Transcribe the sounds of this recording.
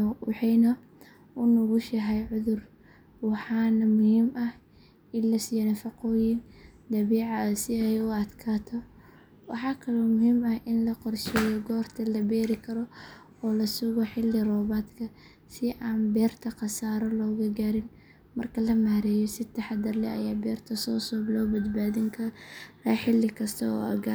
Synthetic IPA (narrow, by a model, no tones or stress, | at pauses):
wɑħɛjnɔ | ʔʊnʊɣʊʃɐɦɛjʕʊðʊr | wɑħɑːnɐmʊhiːmʔɐh | ɪnlɐsijɐnɐfɑqɔːjɪnd̪ɐβɛːʕɑsɪɛjʊɐd̪kʰaːt̪ʰɔ | wɑħɑːkʰɐlɔmʊhiːmɐhʔɪnlɐqɔrʃɛːjɔɡɔːrt̪ʰɐlɐbɛːɾɪkʰɐɾɔ | ɔːlɐsʊɣɔħɪlːɪrɔːβaːd̪kʰɐ | sɪʔaːnbɛːrt̪ʰɐqɑsaːɾɔlɔːɣɐɡaːɾɪn | mɐrkʰɐlɐmahɾɛːjɔsɪt̪ʰɐħɑd̪ɐrlɛɐ̰jaːbɛːrt̪ʰɐsɔːsɔːblɔːbɐd̪baːðɪŋkʰɐɾaːħɪlːɪkʰɐst̪ʰɐɔ̰ːɐ̰ɡɐ